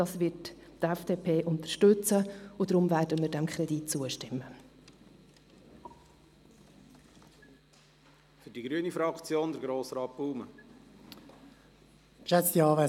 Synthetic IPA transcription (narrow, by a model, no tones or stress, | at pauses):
d̥ɑːsvɪrttɛfd̥eːpʰeːʔʊnt̪ərʃtɵt͡səʊdɾʊmvæːɾdəmiːɾdɛmkʰχɾɛditt͡suəʃtɪmːə | fʏɾdiɡɾyənifɾɑkt͡sjoːnd̪əɾɡɾoːsɾɑːt̚b̥uːmə | kʃɛt͡st̪iɑːvɛ